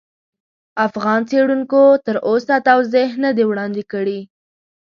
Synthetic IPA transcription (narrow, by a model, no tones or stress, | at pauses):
afɣɑnt͡seɽuŋkot̪əɾʔosat̪awzeɦnəd̪ewɽɑnd̪ekəɽi